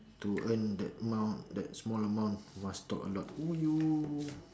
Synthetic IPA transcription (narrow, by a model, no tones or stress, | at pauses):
tuʔə̃ndɛ̰təmãwndɛt̚smɔləmãw̃ntmast̪ɔkəlɔtuju